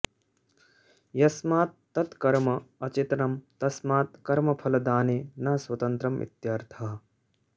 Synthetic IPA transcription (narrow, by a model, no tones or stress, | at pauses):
jɐsmaːt̪ːɐt̪kɐɾmɐɐt͡ʃit̪nɐmt̪ɐsmaːt̪̚kɐɾmɐpʰɐlɐd̪aːneːnɐɦɐswɐt̪ɐnt̪ɾɐmʋḭt̪jaːɾt̪ʰaɦɐ